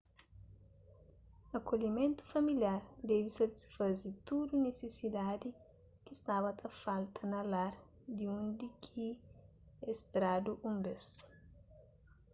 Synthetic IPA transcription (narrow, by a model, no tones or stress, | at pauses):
ɐkoʎimẽnt̪u̥fɐmiljaɾd̪ɛvisɐt̪i̥sfɐzit̪ud̪unesesid̪ad̪i | kist̪aβɐt̪ʰɐfalt̪ʰɐnɐlaɾ | d̪iũnd̪ikʰi | est̪ɾad̪uʔũmbes